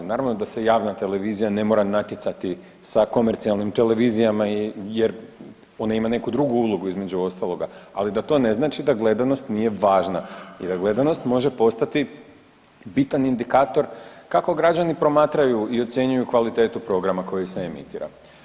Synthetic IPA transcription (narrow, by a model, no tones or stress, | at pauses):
naːɾaʋno̞d̪ase̞jaːʋnat̪e̞le̞ʋiːzijane̞mo̞ːɾanat̪jet̪sat̪i | sako̞me̞ɾt̪sialˠnimt̪e̞le̞ʋiːzijamaije̞ɾ | o̞naimane̞kud̪ɾuɡuuːlˠoɡuizme̞d͡ʑuo̞st̪alˠo̞ɡaalid̪at̪o̞ne̞znaːt͡ʃid̪aɡle̞d̪ano̞st̪nije̞ʋaːʒnaḭd̪aɡle̞d̪ano̞st̪mo̞ʒe̞po̞st̪at̪i | bit̪anind̪ikaːt̪o̞ɾkako̞ɡɾad͡ʒanipɾo̞maːt̪ɾajuio̞t̪sʲje̞ɲujukʋalit̪e̞ːt̪upɾo̞ɡɾamako̞jiseemḭt̪iːɾa̰